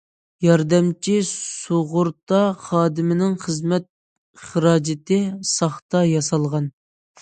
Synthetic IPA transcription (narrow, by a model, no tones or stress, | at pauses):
jɑɾd̪ɛmt͡ʃʰisoʁʊɾt̪ɑχɑːd̪ɪmɪnɪŋχəzmɛt̪̚ | χəɾɑːd͡ʒɪt̪ʰɪsɑχt̪ɑjɑsɑlˠʁɑn